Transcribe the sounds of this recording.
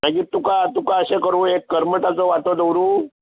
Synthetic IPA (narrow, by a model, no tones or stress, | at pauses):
naɡiːt̪ːukat̪ukaəɕẽkəɾuːekːəɾməʈat͡sɔʋaʈɔd̪əwɾuː